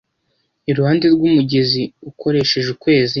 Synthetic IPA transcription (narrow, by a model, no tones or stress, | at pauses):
iɾuhaːndeɾɡumuɟeziuko̞ɾe̞ʃe̞ʒukwe̞ːzi